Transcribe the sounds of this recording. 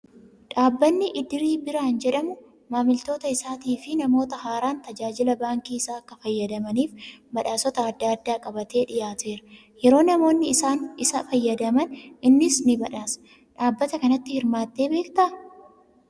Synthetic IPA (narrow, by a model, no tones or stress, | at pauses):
ᶑaːbːɐnːɪʔɪd̪ɪɾiːbɪɾaːnd͡ʒɛᶑɐmʊ | maːmɪlt̪o̞ːt̪ɐɪsaːt̪iːfɪnɐmo̞ːt̪ɐhaːɾaːnt̪ɐd͡ʒaːd͡ʒɪlɐbaːŋkiːɪsaːɐkːɐfɐjːɐd̪ɐmɐniːfbɐᶑaːsɔt̪ɐːd̪ːaːɐd̪ːaːkʼɐbɐt̪e̞ːᶑɪjaːt̪e̞ːɾɐ̥ | jɛɾo̞ːnɐmo̞ːnːɪɪsaːnɪsɐfɐjːɐd̪ɐmɐnʔɪnːɪsnɪbɐᶑaːsɐ̥ | ᶑaːbːɐt̪ɐkɐnɐt̪ːɪhɪɾmaːt̪ːe̞ːbe̞ːkt̪ɐ